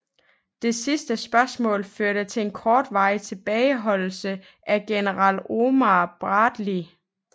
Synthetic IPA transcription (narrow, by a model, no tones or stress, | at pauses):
d̥e̝sisd̥əsb̥ɶɐsmɔ̰̽ːlføɐɾ̥ət͡sʰe̝enkʰɒːd̥ʋɑ̈ɪ̰t͡sʰe̝b̥ɛːɪɦɒ̽l̰l̩sə | ʔæɡ̥enəʁɑ̈lo̝mɑb̥ʁɑ̈ːd̥li